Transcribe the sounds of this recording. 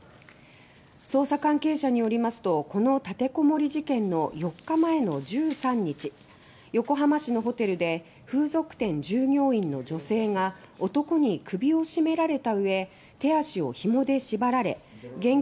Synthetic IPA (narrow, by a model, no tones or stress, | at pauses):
so̞ːsakãŋke̞ːɕaɲ̟ijo̞ɾʲimasɨ̥t̪o̞ko̞no̞t̪at̪e̞ko̞mo̞ɾʲiʑikẽ̞nːo̞jo̞kːamae̞no̞d͡ʑɨːsãɲ̟ːit͡ɕi | jo̞ko̞ɦamaɕino̞ɦo̞t̪e̞ɾɯ̟d̪e̞ | ɸɯ̟ːzo̞kɯ̟̥t̪ẽ̞ɲ̟d͡ʑɨːŋʲo̞ːĩnːo̞d͡ʑo̞se̞ːŋa | o̞t̪o̞ko̞ɲ̟ikɯ̟bʲio̞ɕime̞ɾaɾe̞t̪aɯ̟e̞ | t̪e̞aɕio̞̰çimo̞d̪e̞ɕibaɾaɾe̞ɡẽ̞ŋ